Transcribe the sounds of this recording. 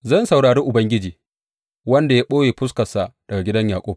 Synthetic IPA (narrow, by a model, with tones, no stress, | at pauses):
zɐ˦nsa˨wɽaː˨ɽeː˦ʔʊ˨bɐ˦ŋɡʲɪ˦d͡ʒiː˨ | wɐ˦nda˨jaː˦ɓoː˦jeː˨ɸʊ˦skɐ˨sa˨d̥ɐ˨ɡa˨ɡʲɪ˦dɐ˦ɲjaː˨kʷʼoː˦